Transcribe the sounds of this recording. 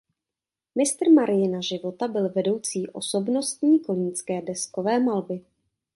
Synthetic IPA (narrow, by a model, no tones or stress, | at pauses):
mɪst̪r̩maɾɪjɪnaʒɪvo̞t̪abɪlvɛdo̞wt͡siːʔo̞̰so̞bno̞st̪ɲiːkoliɲt͡skɛːdɛsko̞vɛːmalbɪ